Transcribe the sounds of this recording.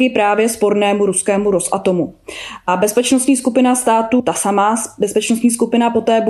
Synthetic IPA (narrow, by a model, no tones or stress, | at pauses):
ɪpɾaːvjɛspo̞ɾnɛːmuɾuskɛːmuɾo̞sʔa̰t̪o̞muʔabɛspɛt͡ʃnost̪ɲiːskupɪnast̪aːt̪ut̪asamaːbɛspɛt͡ʃnost̪ɲiːskupɪnapo̞t̪ɛːb